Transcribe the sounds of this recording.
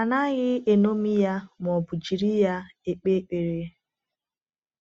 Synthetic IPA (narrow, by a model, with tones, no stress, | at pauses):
a˨na˦ɣɪ˦e˨no˦mi˦ja˦m˨ɔ˨bʊ˨d͡ʒi˨ɾi˦ja˦e˦k͡pe˦k͡pe˨ɾe˨